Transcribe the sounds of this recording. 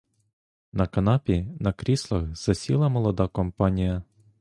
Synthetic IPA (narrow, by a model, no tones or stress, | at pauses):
nɐkɐnɑpʲinɐkɾʲislˠɐxz̥ɐsʲḭlˠɐmɔlˠɔd̪ɑkɔmpɑnʲijɐ